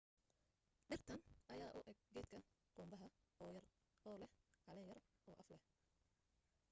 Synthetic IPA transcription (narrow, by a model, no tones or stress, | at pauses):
ɖɪrt̪ʰɐnʔɐjaːʔʊʔɛɡ̚ɡɛːt̪kʰɐ | ɡ̥ɔːmbɐɦɐɔːjɐr | ʔɔːlɛhʕɑlɛjɐrʔɔːʔɐflɛh